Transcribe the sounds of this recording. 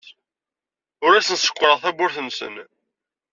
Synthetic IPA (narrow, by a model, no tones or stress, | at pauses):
ʊɾæsənsə̥kʷːɾˤəʁθæbʊɾθənsə̰n